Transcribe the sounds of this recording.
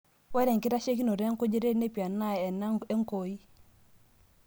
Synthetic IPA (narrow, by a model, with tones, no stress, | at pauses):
wɛ˦ɾɛ˨ŋkɪ˦ɾa˦ʃe˦k̬i˦no˨ɾɛ˦ŋko˦d͡ʒe˦ɾe˦ne˦pi˨a˨nːa˦ɛ˨na˦e˦ŋ˦ko˨i˦